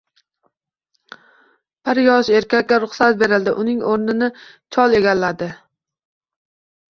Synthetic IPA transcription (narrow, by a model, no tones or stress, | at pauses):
pʰɪɾjɒʃe̞ɾkʲakʲːaɾʊχsat̪̚be̞ɾɪld̪ɪʔʊnɪŋoɾnɪnɪ | t͡ʃʰɒlˠe̞ɡʲalːad̪ɪ